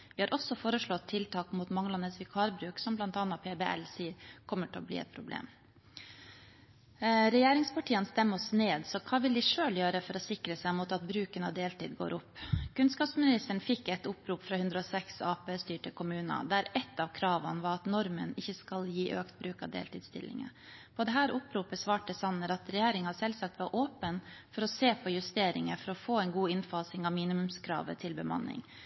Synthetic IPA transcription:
ʋɪhɑːɾʔɔsɔfoːɾəʂɭɔt̪ʰːɪlt̪ʰɑːkmuːt̪mɑŋːəlɑnəsʋɪkʰɑːɾbɾʉːksɔmblɑnt̪ɑːnːɑpʰeːbeʔɛ̰lsiːəɾkʰɔmːəʈʰɛlɔ̰blḭːɛ̰t̪̚pʰɾʊblḛːm | ɾɛjeːɾɪŋspɑʈʰiːənst̪ɛmːəɔsneːd̪sɔkʰɑːʋɪld̪ɪʂøːljøːɾəfɔɾɔsɪkɾəsæɪmuːt̪ɑt̪̚bɾʉːkənɑʋd̪eːlt̪ʰḭːd̪ɡo̰ːɾʔʊpːkʉnskɑːpsmɪnɪst̪əɳ̩fɪkːɛt̪ʊpɾuːpfɾɑhʉnd̪ɾəɔsɛksɑːpeːst̪yːʈəkʰʊmʉːnɑ̰d̪æɾɛt̪ːɑʋkʰɾɑːʋɑnəʋɑɾɑt̪nɔɾmənɪçːəskɑljiːʔøːkt̪̚bɾʉːkɑ̰ʋd̪ḛːlt̪iːd̪st̪ɪ̰lːɪ̰ŋə̰pʰɔd̪ɛɦæːɾʊpɾuːpəsʋɑːʈəsɑnːəɾɑt̪ɾɛjeːɾɪŋɑsɛlsɑk̚t̪ʋɑɾʔoːpənfɔɾɔseːpʰɔjʉst̪eːɾɪ̰ŋəfɔɾɔfoːɛɪnɡuːɪnfɑːsɪŋɑʋmiːnɪmʉmskʰɾɑ̰ːʋə̰t̪ʰɪlbəmɑ̰nːɪ̰ŋ

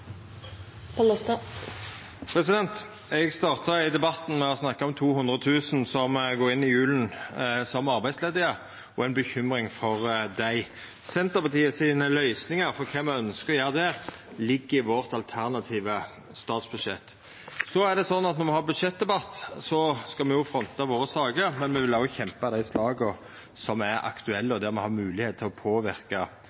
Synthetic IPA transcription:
pʰɑlɔst̪ɑ | pʰɾɛsɪd̪ɛnt̪ | ɛɡst̪ɑːʁt̪əɪd̪ɛbɑt̪ːn̩mɛɔsnɑkːɑɔmt̪ʰuːhʉnd̪ʁət̪ʰʉːsnsɔmɡoːɾɪnːɪjʉːln̩sɔmːɑʁbæɪdsleːd̪əə | ɔæɪnbəçʏmɾɪŋfɔʁd̪æɪ | sɛnt̪əʁpʰɑt̪ʰiːəsiːnəlœʏsnɪŋəɾfɔʁkʰɛmːɛœnskəɔjøːʁd̪æːʁlɪɡːɪʋɔɾt̪ɑlt̪ʰæɾnɑt̪ʰiːʋə | st̪ɑːt̪sbʉd̪ʂɛt̪ː | sɔæʁd̪ɛsɔnːɑt̪nɔʁmɛhɑːbʉd̪ʂɛt̪̚d̪ɛbɑt̪ːsɔskɑmɛjʊfɾɔnt̪ɑʋoːɾəsɑːɡəɾmɛnmɛʋɪlɑʊçɛmpɑd̪æɪslɑːɡə | sɔmæɾɑ̰kt̪ʉɛlːəɔd̪æɾmɛhɑmʉːlɪheːt̪t̪ʰːɪlɔpʰoːʋɪʁkɑ

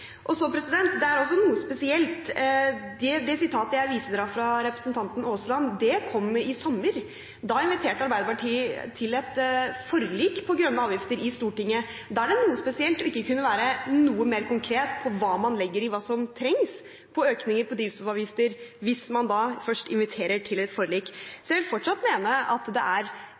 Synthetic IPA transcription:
ʔɔsɔpʰɾɛsɪd̪ɛnt̪d̪ɛæɾɔs̬ːɔnuːəspɛsɪɛlt̪ | d̪ɛd̪ɛsɪt̪ʰɑːt̪əjæɪʋiːsəd̪ɾɑfɾɑɾɛpɾə̥snt̪ʰɑnt̪ən̩oːslɑnd̪ɛkʰɔmːɪsɔmːəɾ | d̪ɑɪnʋɪt̪ʰeːʈəɑɾbæɪd̪əpɑʈʰiːət̪ʰɪlɛt̪fɔɾliːkpʰɔɡɾœnːəɑːʋjɪft̪əɾɪst̪uːʈɪŋːə | d̪ɑæɖɛnuːəspɛsɪɛlt̪ɔɪkːəkʰʉnːəʋæːɾənuːəmeːɾkʰʊŋkʰɾeːt̪pʰɔʋɑːmɑnlɪɡːəɾɪʋɑːsɔmt̪ʰɾɛŋs | pʰɔøːknɪŋəɾpʰɔd̪ɾiːʋsɔʋɑːʋjɪft̪əɾʋɪsmɑnd̪ɑfœʂʈɪnʋɪt̪ʰeːɾəʈʰɪlɛt̪fɔɾɭiːksɔjæʋɪlfɔʈʂɑt̪ːmeːnəɑ̰t̪d̪ɛ̰ʔæɾ

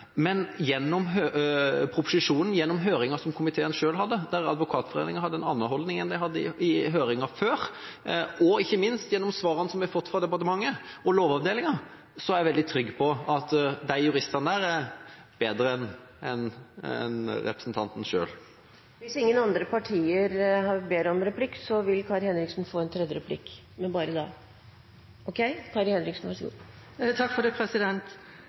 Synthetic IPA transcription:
mɛnjɛnːɔmɦøːpʰɾʊpʊsɪʂuːnən̩jɛnːɔmɦøːɾɪŋɑsɔmkʰʊmɪt̪ʰeːənʂøːlɦɑd̪ːəd̪æɾɑ̰d̪ʋʊkʰɑːt̪fɔɾḛːnɪŋəhɑd̪ːəɛnɑnːəhɔld̪nɪŋɛnd̪æɪɦɑd̪ːəɪɪɦøːɾɪŋɑføːɾ | ɔɪçːəmɪnst̪jɛnːɔmsʋɑːɾɑnəsɔmʋɪfɔt̪ːfɾɑd̪ɛpɑɾt̪əmɑŋːəɔloːʋɑʋd̪eːlɪŋɑ | sɔæɾæʋɛld̪ɪt̪ʰɾʏɡːpʰɔɑt̪d̪æɪjʉɾɪst̪ɑnd̪æːɾæɾb̥eːd̪ɾəɛn | ɛnɛ̰nɾɛ̰pɾəsn̩t̪ʰɑnt̪n̩ʂø̰ːl | ʋɪsɪŋːənɑnd̪ɾəpɑʈʰiːəɾhɑɾbeːɾəɔmɾɛplɪksɔʋɪlkʰɑːɾhɛnɾɪksn̩foːɛnt̪ʰɾɛd̪jəɾɛpʰlɪ̰k | mɛnbɑːɾəd̪ɑ | ʔɔkʰɛɪkʰɑːɾhɛnɾɪksn̩ʋɑɾʂɔɡṵː | t̪ʰɑkfɔd̪ɛpʰɾɛsɪd̪ɛnt̪

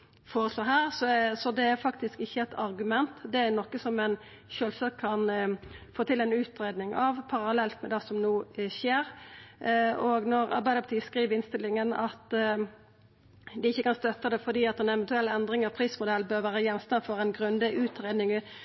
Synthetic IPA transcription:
foːɾʁəsloːɦæːʁsɔsɔd̪ɛæɾfɑkt̪ɪskɪçːəɛt̪ʰɑɾɡʉmɛnt̪d̪ɛæɾnɔkːəsɔmɛn | ʃøːlsɑkʰːɑnfoːt̪ʰɪlɛɪnʉːt̪ɾeːd̪nɪŋɑʋpʰɑɾɑlɛlt̪mɛd̪ɛsɔmnuːɕeːɾ | oɡnɔɾɑ̰ɾbæɪəpʰɑt̪ʰiːskɾiːʋəɾɪnst̪ɪlːɪŋənɑt̪ | d̪ɪɪçːəkɑnst̪œt̪ːɑd̪ɛfɔd̪iːɑt̪ɛnɛʋɛnt̪ʉɛlːəɛnd̪ɾɪŋəpʰɾiːsmʊd̪ɛlːbøːɾʋæːɾəjɛnst̪ɑnfɔɾɛnɡʁʉnd̪əʔʉːt̪ɾeːd̪nɪŋ

